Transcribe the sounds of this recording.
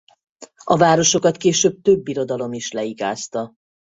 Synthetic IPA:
ɒvaːɾo̞ʃo̞kɒt̪keːʃøːb̚t̪ø̞bːiɾo̞d̪ɒlo̞miʃlɛiɡa̰ːst̪ɒ

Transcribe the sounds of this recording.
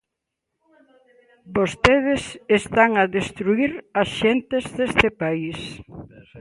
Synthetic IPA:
bost̪eð̞esest̪aŋaðest̪ɾuiɾasʃent̪ezðest̪epais

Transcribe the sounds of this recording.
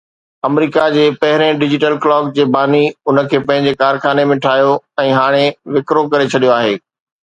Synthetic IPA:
ɐmɾiːkad͡ʑeːpɐɦɪɾẽɖɪd͡ʑɪʈəlklɔːk̚d͡ʑeːbaːniʊnə̆kʰeːpɐ̃ɦɪ̃ɲd͡ʑekaːɾxaːnemẽʈʰaːjoɛ̃ːɦaːɽ̃eʋɪkɾokɐɾet͡ɕʰɐɗijoaːɦeː

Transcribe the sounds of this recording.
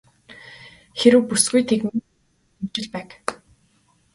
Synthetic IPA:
xeɾɘ̆wpusɡujt̪ʰekmn | emt͡ɕɪ̆ɮpæːk

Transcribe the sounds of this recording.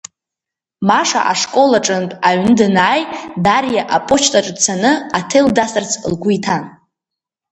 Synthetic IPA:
maʂa̰ʔaʂkʼo̞laʈ͡ʂʼɨnpʼaɥnɨdɨnaːjdarjaʔapʼot͡ʃʰtʼaʈ͡ʂʼt͡sʰanɨatʰejldasart͡sʰlɡʷʊjtʰan

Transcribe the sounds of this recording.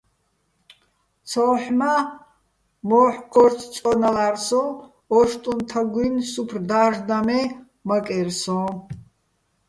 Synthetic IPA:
t͡sʰɔːħma | mɔːħɡʰɔɾtʰt͡sʼɔnalaɾsɔ̃ | ɔʃt̪ʼunt̪ʰaɡinsupʰrd̪aʒd̪amɛ | makʼɛɾsɔ̃

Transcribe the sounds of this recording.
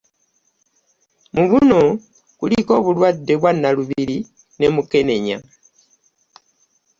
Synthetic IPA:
muβuno̞ | kuliko̞ːβulwadːe̞βwanːaluβiiɾi | ne̞muke̞ne̞ɲa̰

